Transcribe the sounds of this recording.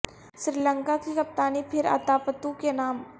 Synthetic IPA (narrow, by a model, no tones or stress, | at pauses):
ʃɾiːlə̃ŋkakikɐp̚t̪aːnipʰɪɾɐ̰t̪aːpət̪ũkenaːm